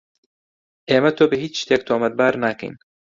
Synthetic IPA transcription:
ʔeːmɐt̪ʰoːbɐɦiːt͡ʃʃt̪eːk̚t̪ʰoːmɐd̪̚baːɾnaːkɐ̰jn

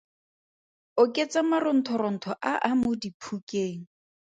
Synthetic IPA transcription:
ʊkʼet͡samarʊn̩tʰɔɾɔn̩tʰɔʔaʔamʊdipʰukʼeːŋ̩

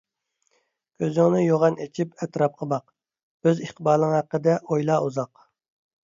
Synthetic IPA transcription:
kʲʰøzɪŋnɪjoʁɑnet͡ʃʰipɛt̪ɾɑp̚qʰəbɑq | øziχt̪ʰəbɑːɾlˠnɨŋhæqːəd̪ɛʔojlˠɑuzɑq

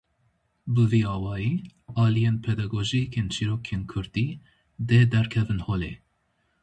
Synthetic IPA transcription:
bɨviːɑːwɑːjiːɑːlijenpʰɛd̪ɑɡoʒikʰent͡ʃʰiɾoːkʰeːnkʰʊɾd̪iː | d̪eːd̪ɛɾkʰɛvɨnhoːlḛː

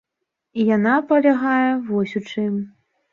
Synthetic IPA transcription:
ijanapɐlʲaɣajɛvɔsʲut͡ʂɨm

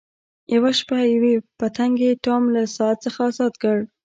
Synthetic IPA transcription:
jawaʃpajawepət̪aŋɡeʈɑmlasɑat̪̚t͡səxaɑzɑd̪kəɽ

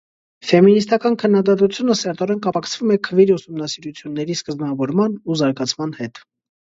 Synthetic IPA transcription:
fɛminist̪ɑkɑnkʰənːɑd̪ɑt̪ut͡sʰjunəsɛɾt̪ɔɾɛnkɑpɑkʰt͡sʰv̥umɛkʰəviɾusumnɑsiɾut͡sʰjunːɛɾiskəzmɑvɔɾmɑnuzɑɾɡɑt͡sʰmɑnhɛt̪

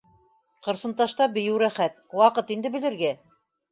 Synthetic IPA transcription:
qɤ̆ɾsɤ̆nt̪ɑʃt̪ɑbɘ̆jɘwɾæχæt̪̚wɑqɤt̪ind̪ɘ̆bɘ̆lɘ̆ɾɡæ

